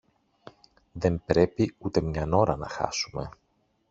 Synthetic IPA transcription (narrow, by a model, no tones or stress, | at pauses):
ðe̞mpɾe̞piut̪e̞mɲɐno̞ɾɐnɐxɐ̰sume̞̰